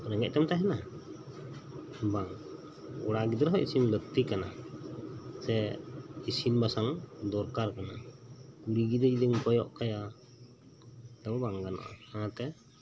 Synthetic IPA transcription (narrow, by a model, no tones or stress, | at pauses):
ɾɛŋɛc̚t̪amt̪aɦɛna | baŋ | ɔɽaɡid̪ɾɦɔʔisinlət̪ikana | sɛisinbasaŋd̪ɔɾkaɾkanakuɽiɡid̪ɛd͡ʒid̪imkɔjɔʔkaja | d̪aɔbaŋɡana̰ʔa̰aãt̪ɛ